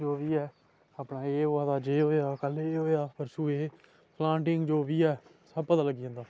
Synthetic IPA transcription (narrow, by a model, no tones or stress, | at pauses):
d͡ʒoːʋiːɛː | aːpɳaːeːoːãːd̪aːd͡ʒeːɦoːeaːkəleːɦoːeaːpəɾsuːeː | pʰlãːɳʈɪŋɡd͡ʒoːʋiːɛː | səbpət̪aːləɡiːãːnd̪aː